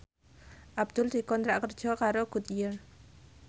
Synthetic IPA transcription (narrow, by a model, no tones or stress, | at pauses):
ʔab̚d̪̥ʊld̪̥i̤kɔnt̪ɾaʔkərdd͡ʒ̥ɔkaɾoɡ̥ut̪jər